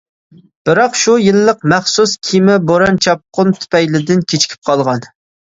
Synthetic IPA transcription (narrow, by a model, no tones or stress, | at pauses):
b̥ɪɾɑqʃujilːəqmɛχsuskʲʰimɪboɾɑnt͡ʃʰɑp̚qʊnt̪ʰy̥pɛjlɪd̪ɪnkʲʰet͡ʃʰkʲʰi̥p̚qʰɑlˠʁɑn